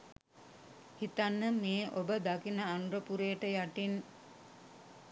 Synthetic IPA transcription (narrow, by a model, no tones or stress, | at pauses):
hit̪anːəmeːʔobəd̪akinəanuɾəpuɾejːʈəjaʈin